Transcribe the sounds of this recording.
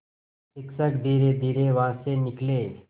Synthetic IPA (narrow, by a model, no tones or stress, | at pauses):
sɪksəkd̪ʱiːɾed̪ʱiːɾeʋãːsenɪkle